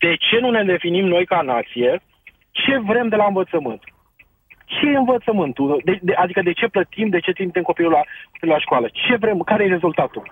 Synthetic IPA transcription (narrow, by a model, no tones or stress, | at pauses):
d̪̥e̞t͡ʃe̞nune̞d̪e̞finimno̞jkanat̪sije̞ | t͡ʃe̞vɾe̞md̪e̞laɨnvət̪səmɨnt̪ | t͡ʃe̞jeɨnvət̪səmɨnt̪ud̪ed̪eʔad̪ikəd̪e̞t͡ʃe̞plət̪imd̪e̞t͡ʃe̞t̪imt̪emko̞pilulakopilulaʃkoalət͡ʃe̞vɾe̞mkaɾe̞jere̞zult̪at̪u